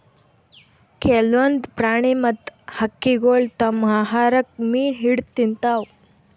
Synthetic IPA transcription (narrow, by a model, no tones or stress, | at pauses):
kelʋənd̪pɾaɽ̃emət̪həkːiɡoɭt̪əmaɦaɾək̚miːɦiɽt̪int̪aw